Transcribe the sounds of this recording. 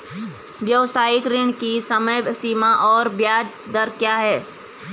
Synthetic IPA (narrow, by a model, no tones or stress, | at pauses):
djəwsaːɪkɾɪɳkisəməjbsiːmaʔɔːɾbjaːd͡ʒd̪əɾkjaːɦɛː